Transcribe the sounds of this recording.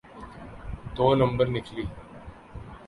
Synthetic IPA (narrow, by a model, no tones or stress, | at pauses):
d̪oːnə̃mbəɾnɪkʰliː